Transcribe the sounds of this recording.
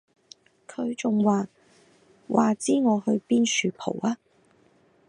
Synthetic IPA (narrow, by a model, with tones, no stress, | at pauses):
kʰɵ˨˧ɥt͡sʊ˨ŋwaː˨ | wʔaː˨t͡siː˥ŋɔː˨˧hɵ˧ɥpiː˥nsyː˨˧pʰo̰˨˩waː˧